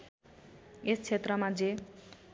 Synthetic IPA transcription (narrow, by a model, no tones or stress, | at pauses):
est͡sʰet̪rʌmad͡ze